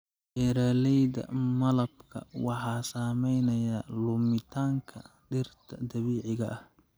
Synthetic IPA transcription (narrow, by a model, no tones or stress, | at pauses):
ʔɛɾaːlɛjd̪ɐ̰mɐlɐbkʰɐ̰wɑħɑːsaːmɛjnɐjɐlʊmɪt̪ʰaːŋkʰɐɖɪrt̪ʰɐd̪ɐβiːʕɪɣɐʔɐh